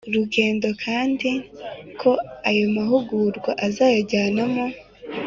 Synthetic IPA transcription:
uɾuɡe̞ːndo̞kʰaːndikʰo̞ajo̞maɦuɡuːɾɡwaʔazaːjoɟaːnamo̞

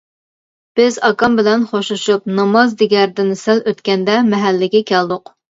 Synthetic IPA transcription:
b̥ɪzɑkɑmbɪlɛnχoʃluʃup̚nɑmɑzd̪ɪɡʲɛɾd̪ɪnsæløt̪kʲɛnd̪ɛmɛɦælːɪɡʲɛkʲɛld̪ʊq

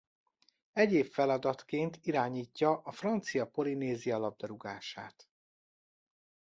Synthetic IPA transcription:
ɛɟeːfɛlɒd̪ɒt̪keːnt̪ʰiɾaːɲiːcːɒʔɒfrɒnt̪sijɒpo̞lineːzijɒlɒb̚d̪ɒɾuɡaːʃa̰ːt̪

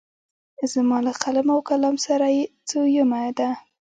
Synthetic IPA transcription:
zamɑlaqalamawkalɑmsaɾajet͡sojəmad̪a

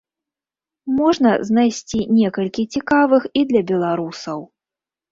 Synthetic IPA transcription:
mɔʐnɐznajsʲt͡sʲinʲɛkɐlʲkʲit͡sʲikavɨxid̪lʲɐbʲɛlˠaɾusɐw

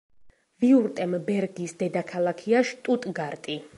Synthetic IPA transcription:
viuɾt̪ʼɛmbɛɾɡisd̪ɛd̪akʰalˠakʰiaʃt̪ʼut̪ʼɡaɾt̪ʼi

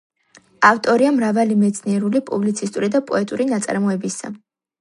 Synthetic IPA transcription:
aft̪ʼɔɾiamɾavalimɛt̪sʰniɛɾulipʼublit̪sʰist̪ʼuɾid̪apʼɔɛt̪ʼuɾinat̪sʼa̰ɾmɔɛbisa̰

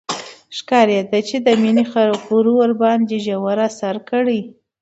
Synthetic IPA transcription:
ʃkɑɾjed̪at͡ʃed̪əminixaɾoquɾuwəɾbɑnd̪eʒawaɾasaɾkəɽi

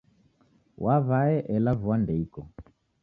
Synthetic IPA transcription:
wʔaβaɛʔɛlavuwandɛikɔ

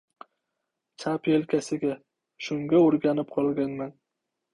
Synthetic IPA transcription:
t͡ʃʰapjelkʲʰasɪɡʲa | ʃʊŋɡʲaoɾɡʲanɪp̚qʰɒlˠɡʲanman

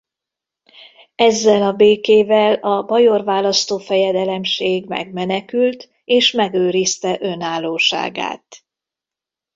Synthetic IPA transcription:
ɛzːɛlɒbeːkeːvɛlɒbɒjorvaːlɒst̪oːfɛjɛd̪ɛlɛmʃeːɡmɛ̰ɡmɛnɛkylt̪ | eːʃmɛɡøːɾist̪ɛʔø̞naːlːoːʃa̰ːɡa̰ːt̪

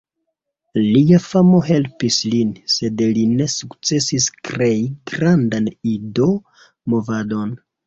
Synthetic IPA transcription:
liafamo̞ɦe̞lpislinse̞dline̞sukt͡se̞siskɾe̞jiɡɾandanido̞ | mo̞vado̞n

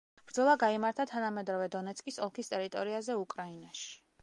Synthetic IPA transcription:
b̥ɾd̪zɔlˠaɡaimaɾt̪ʰat̪ʰanamɛd̪ɾɔvɛd̪ɔnɛt̪sʼkʼisɔlˠkʰist̪ʼɛɾit̪ʼɔɾiazɛukʼɾainaʃi̥

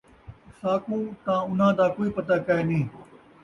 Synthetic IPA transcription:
saːkũːt̪ãːʊn̤ãːd̪aːkoːiːpɐt̪aːkaenĩː

